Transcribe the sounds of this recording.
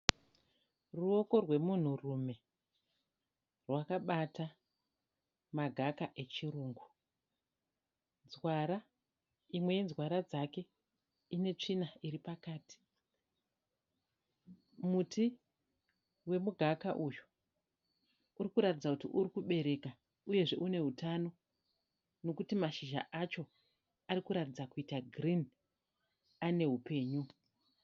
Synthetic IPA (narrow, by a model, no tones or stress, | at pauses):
ruo̞ko̞rwe̞mun̤urume̞ | rwakaɓata | maɡʱakaʔe̞t͡ʃiruːŋɡu | nzwaɾa | imwe̞je̞nzɣwaɾad͡zake̞ | ine̞t͡ʂinaiɾipakaːti̥ | muti | we̞muɡʱakaʔujo | urikuɾatid͡zakutḭʔuɾikuɓe̞ɾe̞ka | uje̞ʐe̞ʔune̞ɦutano̞ | no̞kutimaʃiʒa̰ʔat͡ʃo̞ | arikuɾatid͡zakuitaɡrin | ane̞ɦupe̞ːɲu